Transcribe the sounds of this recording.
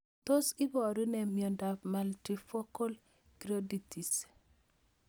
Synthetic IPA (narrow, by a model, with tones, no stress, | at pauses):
t̪o˦si˦bo˨ɾi˦ne˨mionda˨fmalti˨fo˦ko˦l | ɡ̥ɾoditis